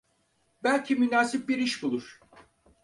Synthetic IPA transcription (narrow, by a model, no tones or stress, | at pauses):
bælʲcʰimynaːsip̚biɾiʃbulˠuɾ̥